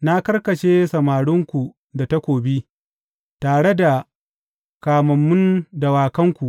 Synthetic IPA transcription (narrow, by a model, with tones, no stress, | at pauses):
na˦kɐ˦rkɐ˨ʃeː˦sɐ˨maː˨ɽʊ˦ŋkʷu˨ | da˨ta˦kʷoː˨bi˦ | taː˨ɽe˦da˨ | kaː˨mɐ˨mːʊ˦nda˨waː˨kɐ˦ŋkʷu˨ʔ